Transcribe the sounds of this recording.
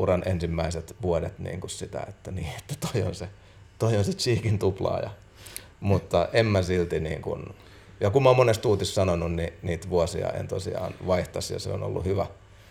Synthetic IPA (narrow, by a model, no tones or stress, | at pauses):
urɑnensimːæiset̪ʋuodet̪nḭːŋkussit̪æ̰et̪ːæniːet̪ːæ̥t̪oio̰nse | t̪oionset͡ʃiːkint̪uplɑ̰ːjɑ̰ | mut̪ːɑʔemːæsilt̪inḭːŋkṵn | jɑkummːɑoːmonest̪uːt̪issɑnonunniniːt̪ʋuosiɑ̰ḛnt̪osḭɑ̰ːnʋɑiht̪ɑsjɑ̰sḛo̰no̰lːṵhyʋæ